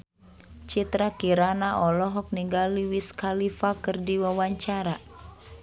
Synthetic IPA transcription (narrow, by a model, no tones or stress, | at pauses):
t͡ʃit̪ɾakiɾanaʔɔlɔɦɔk̚niŋɡaliwiskalifakɨrdiwawaɲt͡ʃaɾa